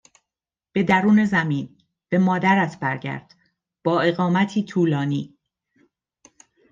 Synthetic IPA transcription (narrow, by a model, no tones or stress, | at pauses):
b̥e̞d̪æɾuːne̞zæmiːn | b̥e̞mɒːd̪æɾæt̪ʰbæɾɟæ̰ɾd̪̥ | b̥ɒːe̞ɣɒːmæt̪ʰiːt̪ʰuːlɒːniː